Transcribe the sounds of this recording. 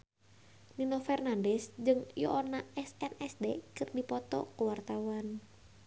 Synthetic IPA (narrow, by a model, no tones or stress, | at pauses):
ninɔfɛrnandɛsd͡ʒɨŋjɔ̰ʔɔnaɛsɛnɛsdekɨrdipɔt̪ɔ̰kuwart̪awan